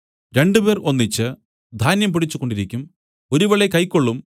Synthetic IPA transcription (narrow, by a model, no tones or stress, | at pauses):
ɾe̞ɳɖube̞ːro̞nːit͡ɕːɨ | d̪ʱaːnjɐmpiɽit͡ɕːuko̞ɳɖiɾikʲːum | o̞ɾuʋeɭekɐjkːo̞ɭːum